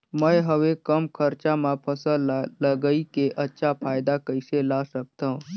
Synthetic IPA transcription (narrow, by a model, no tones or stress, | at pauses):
məjɦəʋekəmkʰəɾt͡ʃamãpʰəsələɡəikeʔətːʃʰapʰaːjd̪akəɪselaːsək̚t̪ã